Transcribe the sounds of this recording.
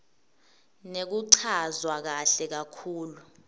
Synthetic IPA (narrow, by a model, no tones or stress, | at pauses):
nek̬uǀʰazwak̬aɬɛk̬akʰuːlu